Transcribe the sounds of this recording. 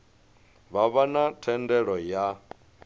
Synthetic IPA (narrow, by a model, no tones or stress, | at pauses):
βaβanatʰɛndɛɺɔja